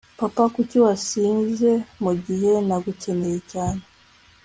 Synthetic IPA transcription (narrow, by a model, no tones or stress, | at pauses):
papakuciwaʃiːnze̞muɟihe̞naɡuce̞nejecaːne